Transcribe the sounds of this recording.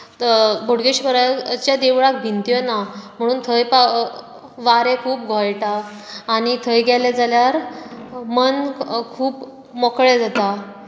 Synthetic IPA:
bʱoɽɡeɕbəɾat͡ɕjad̪eʋɭak̚bʱint̪jonam̤əɽ̃uːnt̪ʰəjpa | ʋaɾekʰuːp̚ɡʱɔjʈaː | ɽ̃it̪ʰəjɡɛled͡zaljaɾ | mənkʰuːp | mɔkɭed͡zat̪a

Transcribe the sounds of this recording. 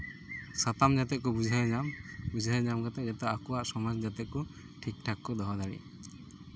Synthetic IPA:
sat̪amd͡ʒat̪ɛʔ̚kɔbud͡ʒʱajɲambud͡ʒʱajɲamkat̪ɛd͡ʒat̪aːkɔaʔsɔmɔd͡ʒd͡ʒat̪ɛʔ̚kɔ | ʈʰik̚ʈʰakːɔd̪ɔɦɔd̪aɾḭ

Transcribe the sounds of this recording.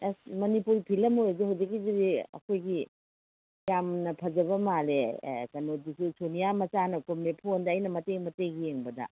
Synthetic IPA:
esmɐnipuɾipʰilɐmojduɦawd͡ʒɐk̬ːiziɾiɐ̰kʰojɡi | jamnɐpʰɐzɐβɐmalḛkɐnodisusonijamɐt͡ʃanɐkomepʰondɐːjnɐmɐtejmɐtejɡieŋbɐdɐ̰

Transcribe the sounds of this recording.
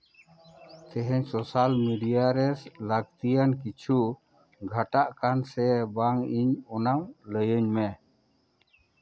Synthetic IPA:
k̪ɛɦɛɲsɔsalmiɖijaɾɛsləɡ̚t̪ijankit͡ʃʰu | ɡʱaʈaʔkansɛbaŋiɲɔnawləjəɲmɛ

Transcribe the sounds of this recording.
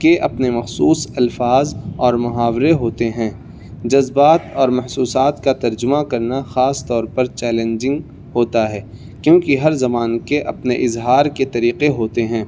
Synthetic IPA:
keʔɐpnemɐxsuːsɐlfaːzɔːɾmʊɦaːʋɾeɦoːt̪eɦɛ̃ː | d͡ʒɐzbaːt̪ɔːɾmɐhsuːsaːt̪kat̪ɐɾd͡ʒʊmakɐɾnaxaːst̪ɔːɾpɐɾt͡ʃɛːlẽɲd͡ʒɪ̃ŋɡ | ɦoːt̪aɦɛː | kjõːkiɦɐɾzɐmaːnkeʔɐpneʔɪzɦaːɾket̪ɐɾiːqeɦoːt̪eɦɛ̃ː

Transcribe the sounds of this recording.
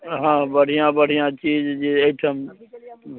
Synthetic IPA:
ɦãːbəɽ̤ijãːbəɽ̤ʱijãːt͡ʃiːd͡ʒd͡ʒiːeːʈʰəm

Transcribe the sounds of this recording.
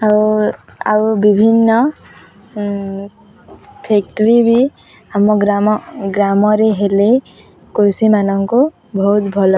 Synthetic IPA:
a | a̰wbibʱinːɔ | pʰek̚ʈɔɾibʱi | amːɔɡɾaɡɾamɔɾeɦele | kuɾsimanɔŋko | bʱɔɦut̪bʱɔlɔ

